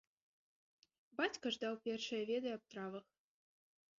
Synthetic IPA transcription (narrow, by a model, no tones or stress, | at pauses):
bat͡sʲkɐʐd̪ɑwpʲerʂɨjɐvʲed̪ɨjap̚t̪ɾɑvəx